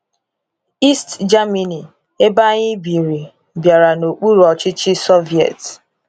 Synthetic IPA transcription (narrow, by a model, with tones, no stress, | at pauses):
i˦std͡ʒa˦mi˨ni˨ | e˦ba˦ɲɪ˦bi˨ɾi˨ | bja˨ɾa˨no˨k͡pu˦ɾɔ˨t͡ʃɪ˦t͡ʃɪ˦so˦vi˨ɛ̰˨t